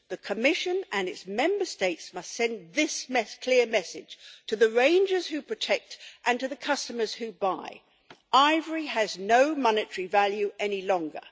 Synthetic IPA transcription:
ðɨkʰəmɪʃɨ̃nɨ̃nɨtsmɛ̃mbə˞steɪtsmʌstsɛ̃nðɪsmɛskʰl̥ɪɹmɛsɪd̥ʒ̥tʰɨðɨɹẽɪ̃nd͡ʒə˞z̥hʉpʰɹ̥ɨtʰɛk̚tʔɨ̃ntɨðɨkʰʌstəmə˞z̥hʉbaɪ | aɪvə˞iɨznoʊmɑnɨtə˞ivælˠjʉʔɛnilɔ̃ŋɡə̰˞

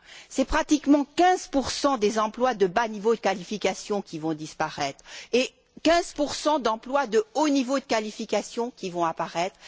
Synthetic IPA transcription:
sɛpχat̪ikmɑ̃kʲɛ̃zpuʁsɑ̃d̪ezɑ̃plwad̪əbanivod̪əkalifikasjɔ̃kʲivɔ̃d̪ispaʁɛt̪χe | kʲɛ̃zpuʁsɑ̃d̪ɑ̃plwad̪əonivod̪əkalifikasjɔ̃kʲivɔ̃apaʁɛt̪χ

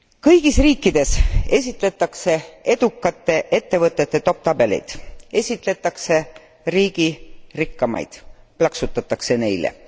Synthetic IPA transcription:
kɤjɡ̥isriːkːˑid̪̥e̞se̞sʲit̪ˑle̞t̪ːˑɑkse̞e̞d̪̥ukːˑɑt̪ːˑe̞ʔe̞t̪ːe̞vɤt̪ˑːe̞t̪ːet̪o̞p̚t̪ɑbe̞lḭjd̪̥e̞sʲit̪ˑle̞t̪ːˑɑkse̞ | riːɡ̥irikːɑmɑ̰jd̪̥plɑksut̪ːˑɑt̪ːˑɑkse̞ne̞jlḛ

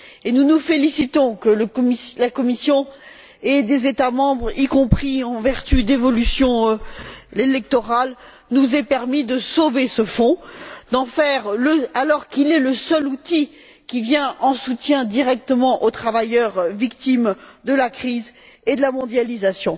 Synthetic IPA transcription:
enunufelisit̪ɔ̃kələkmilakɔmisjɔ̃ | ed̪ezet̪amɑ̃bʁikɔ̃pχiɑ̃vɛʁt̪yd̪evɔlysjɔ̃ | elɛk̚t̪ɔʁal | nuzɛpɛʁmid̪əsovesəfɔ̃d̪ɑ̃fɛʁləalɔʁkilɛləsœlut̪i | kʲivjɛ̃ɑ̃sut̪jɛ̃d̪iʁɛk̚t̪əmɑ̃ʔot̪χavajœʁvikt̪imd̪əlakχized̪əlamɔ̃d̪jalizasjɔ̃

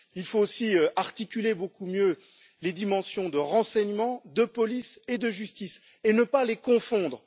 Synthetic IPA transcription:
ilfoːsiøʔaʁt̪ikʲylebokumjø | led̪imɑ̃sjɔ̃d̪əʁɑ̃sɛɲmɑ̃d̪əpɔlised̪əʒyst̪is | enəpalekɔ̃fɔ̃d̪ʁə

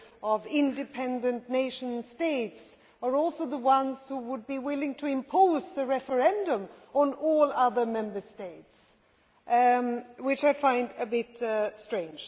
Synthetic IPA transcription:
ʌvɪ̃ndɨpʰɛ̃ndɨ̃nneɪʃɨ̃nsteɪts | ə˞ɔlˠsoʊðəwʌ̃nz̥huwəd̚biwɪlˠɪ̃ŋtʰɨɪ̃mpʰoʊzðɨɹɛfə˞ɛ̃ndə̃mə̃nɔlˠʌðə˞mɛ̃mbə˞steɪts | wɨt͡ʃaɪfãɪ̃ndɨbɪtstɹ̥ẽɪ̃nd͡ʒ̥

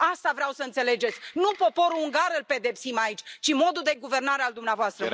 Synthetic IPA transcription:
ast̪avɾeawsəɨnt̪se̞le̞d͡ʒe̞t̪sʲnupo̞po̞ɾuuŋɡaɾɨlpe̞d̪e̞psimait͡ʃʲt͡ʃimo̞d̪ud̪e̞ɡuve̞rnaɾeald̪umneavoast̪ɾə

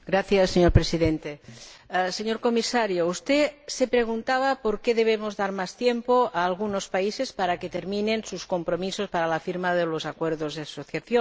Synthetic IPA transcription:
ɡɾaθjasːeɲoɾpɾesiðent̪e | seɲoɾkomisaɾjoust̪esepɾeɣ̞unt̪aβ̞apoɾkeðeβ̞emozðaɾmast̪jempoaːlɣunospaisespaɾaket̪eɾminensuskompɾomisospaɾalafiɾmaðelozakweɾðozðeasoθjaθjon

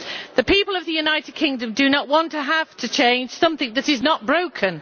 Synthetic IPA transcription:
ðɨpʰipəlˠʌvðɨjʉnaɪtɪd̚kʰɪ̃ŋdɨ̃mdɨnəʔwɑ̃ntʰəɦaftʰɨt͡ʃʰẽɪ̃nʒ̥sʌ̃mθɪ̃ŋðɨɾɨznət̚b̥ɹoʊkʰɨ̃n

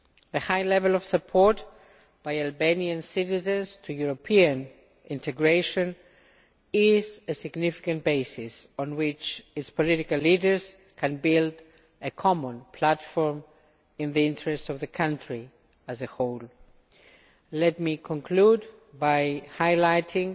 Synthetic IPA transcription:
ðɨhaɪlɛvəlɔv̥səpʰɔɹt | b̥aɪalbeniɨ̃nsɪɾɪzɨ̃nz̥tʰujuɹopʰiɨ̃n | ʔɪ̃ntʰɨɡɹeɪʃɨ̃n | ɪzɨsɪɡnɪfɪ̥kɨ̃ntb̥eɪsɪsɔ̃nwɪt͡ʃɨtspʰɔlɪɾɪkəlliɾə˞z̥ | kʰɨ̃nbɪlˠd | ɨkʰɔmə̃npʰl̥atfɔɹm | ɪ̃nðiɪ̃ntɹɛstʌvðɨkʰʌ̃ntɹ̥i | ɨzɨhoʊl | lɛt̚mikʰɔ̃nkʰl̥ud | baɪhaɪlaɪtʰɪ̃ŋ

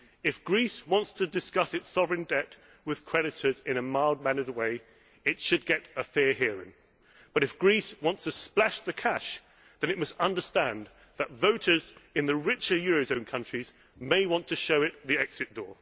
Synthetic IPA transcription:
ɨfɡ̥ɹiswɑ̃ntstʰɨdɨskʌsɨtsɑvɹɨ̃ndɛt | wɨð̥kʰɹ̥ɛɾɨɾə˞zɪ̃ñɨmaɪlˠd̚mæ̃nəd̚weɪ | ɨtʃɨd̚ɡɛɾəfɪɹɦɪɹɪ̰̃ŋ | b̥ʌɾɨfɡ̥ɹiswɑ̃ntstʰɨsplæʃðɨkʰæʃ | ðɨ̃ñɨʔ̚mʌstʌ̃ndə˞stæ̃n | ðətvoʊɾə˞zɨ̃nðɨɹɪt͡ʃə˞jɔɹoʊzõʊ̃nkʰʌ̃nt͡ʃɹ̥iz | meɪwɑ̃ntʰɨʃoʊɨt̪̚ðiɛksɨt̚d̥ɔ̰ɹ

